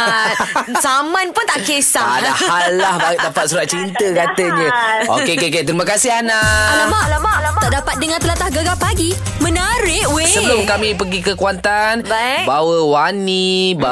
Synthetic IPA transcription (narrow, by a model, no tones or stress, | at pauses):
samanpʊnt̪aʔkesaadahalːahbaiʔdapat̪suɾat̪̚t͡ʃint̪əkat̪əɲə̃o̰kekeket̪əɾimãkasɪɦanalamalat̪aʔdapat̪̚dəŋãnt̪əlat̪ahɡəɡapaɡi | mə̃naɾɪʔwesəəlʊmkamĩpəɡikəkuant̪anbawəwaniba